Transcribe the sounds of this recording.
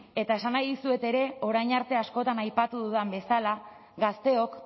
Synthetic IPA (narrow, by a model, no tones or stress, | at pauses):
e̞t̪ae̞sanajðisue̞t̪e̞ɾe̞o̞ɾajɲaɾt̪e̞asko̞t̪anajpat̪uðuðambe̞sala | ɡast̪e̞o̞k